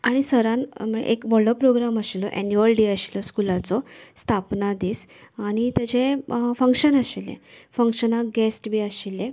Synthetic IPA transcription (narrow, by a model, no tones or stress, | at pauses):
aɽ̃isəɾãnməḛʔekʋəɭɔpɾoɡɾaməɕilɔʔɛ̰njuəlɖiəɕilɔskulat͡sɔst̪ʰapnad̪iːs | aɽ̃it̪əd͡ʑẽfəŋkɕənəɕilḛ̃fəŋkɕənaɡɛsʈbʱiːəɕilːẽ